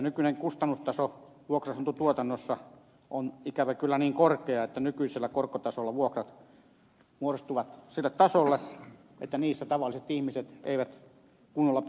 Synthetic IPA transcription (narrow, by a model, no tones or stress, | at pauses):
nykyneŋkust̪ɑnːust̪ɑso | ʋuokrɑsɑnt̪ut̪uot̪ɑnːosːɑ | ʔonikæʋækylːæniːŋkorkeɑet̪ːænykyiselːækorkːot̪ɑsolːɑʋuokrɑt̪ | muoost̪uʋɑt̪silːet̪t̪ɑsolːe | ʔḛt̪ːæniːsːæt̪ɑʋɑlːˑiset̪ihmiset̪ḛiʋæt̪ | kunːolːɑ